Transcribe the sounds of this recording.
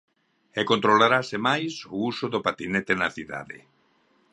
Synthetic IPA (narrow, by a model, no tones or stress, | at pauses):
ekont̪ɾolaɾasemajsousʊðopat̪inet̪enaθiða̰ðḛ